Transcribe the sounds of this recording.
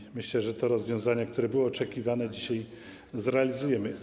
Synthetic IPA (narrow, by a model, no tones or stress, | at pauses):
mɘɕlɛʐɛt̪ɔɾɔzvʲjɔ̃w̃zaɲak̚t̪uɾɛbɘwɛɔt͡ʂɛkʲivanɛd͡ʑiɕaj | zɾɛalʲizujɛmɘ